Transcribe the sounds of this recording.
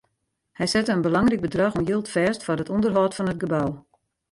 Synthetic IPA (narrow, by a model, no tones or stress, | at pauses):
hɛjsɛtəənbəlɑŋrik̚bədrɑxɔmjilˠtfɛːstfɔrɦətɔndərɦɔːtfɔnət̚ɡəbaw